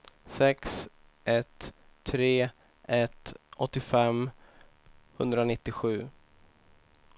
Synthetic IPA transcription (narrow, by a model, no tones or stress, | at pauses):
sɛks | ʔɛt̪ʰː | ɾeː | ʔɛt̪ʔɔt̪ːɪfɛm | hɵnd̪ɾanɪt̪ːɪɧʉ̟ː